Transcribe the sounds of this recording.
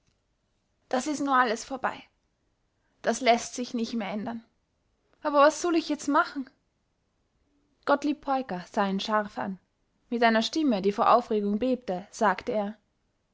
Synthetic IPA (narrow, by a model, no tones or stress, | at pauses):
d̥asɪstnuːɐʔaləsfoːɐba̰ɪ | d̥aslɛstz̥ɪçnɪçtmeːɐʔɛndɐn | ʔaːbɐvasz̥ɔlɪçjɛt͡stmaχn̩ | ɡ̥ɔtliːpʰːɔʏkɐz̥aːiːnʃaʁfʔa̰n | mɪtʔaɪnɐʃtɪmədiːfoːɐʔaʊfʁ̥eːɡʊŋbeːp̚təz̥aːktəeːɐ